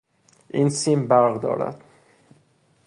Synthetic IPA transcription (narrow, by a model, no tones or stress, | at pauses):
ʔiːnsiːmbæɾɣd̪ɒ̰ːɾæ̰d̪̥